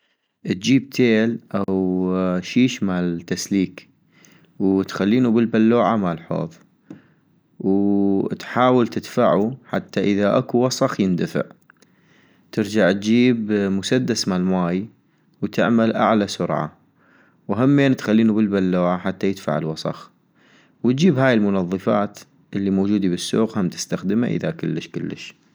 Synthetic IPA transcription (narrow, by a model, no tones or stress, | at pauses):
ʔt̪̚d͡ʒiːb̚t̪ʰeːlʔawʃiːʃmaʕlt̪ːasliːk | wt̪xalːiːnubɪlbalːoːʕamalħo̰ːðˤ | wt̪ħaːwɪlt̪ɪd̪faʕuħa̰t̪ːaʔɪðaʔakuwɑsˤɑxjɪnd̪afɪ̰ʕ | t̪ɪɾd͡ʒaʕt̪̚d͡ʒiːbmʊsad̪ːasmalmaːj | wt̪ɪ̰ʕmalʔa̰ʕlasʊɾʕa̰ | wɦamːeːnt̪xalːiːnubɪlbalːoːʕaħat̪ːajɪd̪̥fa̰ʕɪ̰lwɑsˤɑ̰x | wt̪̚d͡ʒiːbɦaːjɪlmʊnɑðˤːɨfaːt̪ | ʔɪlːimoːd͡ʒuːd̪ibɪsːuo̰ːqhamt̪ɪ̥st̪axd̪əma̰ʔə̰ðakɪlːəʃkɪlːə̰ʃ